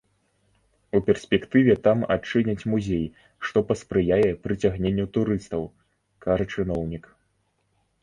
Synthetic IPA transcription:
upʲɛrsʲpʲɛkt̪ɨvʲɛt̪ama̰t͡ʂɨnʲɐt͡sʲmuzʲej | ʂt̪ɔpɐspɾɨjajɛpɾɨt͡sʲaɣnʲenʲːut̪uɾɨst̪ɐw | kaʐɐt͡ʂɨnɔwnʲik

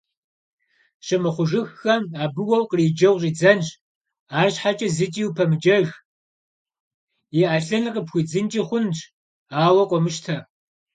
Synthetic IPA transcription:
ɕɪmɨχʷʊʒɨxːɐmaːbɨwɐwqəriːd͡ʒɐwʑʼiːd͡zɐnʒ | aːɕħat͡ʃʼɐzɨtʼiːwpʰɐmɨt͡ʃʼɐɣ | jiʔaɬɐnɨqəpxʷid͡zɨnt͡ʃʼiχʷʊnt͡ʃʼ | aːwɐqʷʼɔmɨʃtʰɐ

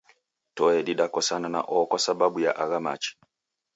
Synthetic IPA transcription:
tɔɛdiɗakɔsanana̰ʔɔkwasababujaʔaɣama̰t͡ʃi̥

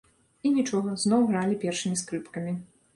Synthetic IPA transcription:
inʲit͡ʂɔɣɐznɔwɣɾalʲipʲɛrʂɨmʲiskɾɨpkɐmʲi

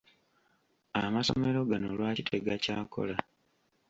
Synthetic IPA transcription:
amaso̞̰me̞ɾo̞ɡano̰lwaːcitʰe̞ɡaca̰ːko̞̰la

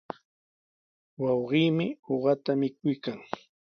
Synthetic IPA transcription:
wɑwɢiːmɪhoɢɑt̪amɪkʊjkaŋ

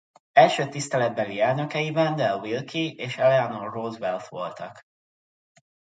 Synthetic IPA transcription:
ɛlʃøːt̪ist̪ɛlɛd̪̚bɛliɛlnø̞kɛjivɛnd̪ɛlwilkʰieːʃɛlɛanolroːzʋɛlt̪ʋo̞̰lt̪ɒ̰k

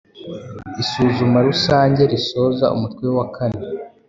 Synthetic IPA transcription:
isuːzumaɾusaːɲɟe̞ɾiso̞za̰ṵmutwewakʰane

